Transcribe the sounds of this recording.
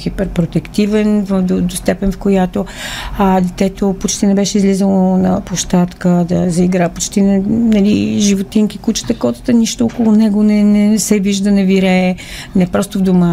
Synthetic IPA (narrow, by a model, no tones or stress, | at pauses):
xipɛɾpɾot̪ɛkt̪ivɛnvd̪od̪ost̪ɛpɛnfkojat̪o | d̪ɛt̪ɛt̪opot͡ʃt̪inɛbɛʃɛizlizəlˠonɐpoʃt̪at̪kəd̪ɐzɐiɡɾapot͡ʃt̪inɛnɐliʒivot̪iŋkikut͡ʃə̥t̪əkɔt̪ə̥t̪əniʃt̪ookolˠʊnɛɡonɛnɛsɛviʒd̪ənɛviɾɛ | nɛpɾɔst̪ovd̪omə